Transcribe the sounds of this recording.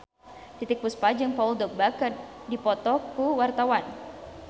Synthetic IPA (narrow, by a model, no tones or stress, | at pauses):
t̪it̪ɪk̚puspad͡ʒəŋpauldɔk̚bakərdipɔt̪ɔkuwart̪awan